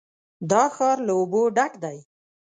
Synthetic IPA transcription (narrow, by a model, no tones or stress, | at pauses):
d̪ɑxɑɾlaoboɖakd̪aj